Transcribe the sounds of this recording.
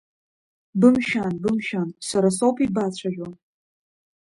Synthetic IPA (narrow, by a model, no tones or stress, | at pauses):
bɨmʃanbɨmʃansaɾasowpʰibat͡ɕʷʰaʒʲa